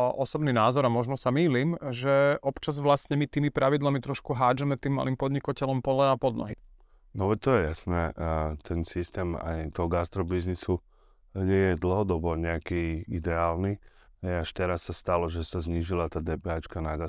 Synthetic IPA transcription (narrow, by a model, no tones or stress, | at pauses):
ʔɔsɔbninaːzɔɾamɔʒnɔsamiːlimʒɛʔɔpt͡ʃazʋlasɲɛmit̪iːmipɾaʋid̪lamit̪ɾɔʃkuɦaːd͡ʒɛmɛt̪iːmːa̰liːmpɔd̪ɲikacɛlɔmpɔlɛapɔd̪nɔ̰ɦi | nɔʋɛt̪ɔjɛjasnɛt̪ʰɛnsist̪ɛːma̰jt̪ɔɦɔɡast̪ɾɔbiznisu | ɲɛjɛd̪l̩ˠɦɔd̪ɔbɔɲɛakiid̪ɛaːlni | ɦɛjaʃt̪ɛɾasːast̪alɔʒɛsazɲiːʒilat̪aːd̪ɛpɛɦaːt͡ʃkanaɡa